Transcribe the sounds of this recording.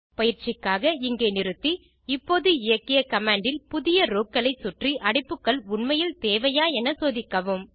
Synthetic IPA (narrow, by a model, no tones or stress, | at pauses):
pɐjɪɾt͡ʃɪkːaːɣɐɪŋɡeːnɪɾɯt̪ːi | ɪpːoːðɯɪjɐkːɪjɐkɐmaːɳɖɪlpʊðɪjɐɾoːkːɐɭɐɪsʊʈriʔɐɽɪpːɯkːɐɭʊɳmɐjɪlt̪eːʋɐjaːɛnɐsoːðɪkːɐʋɯm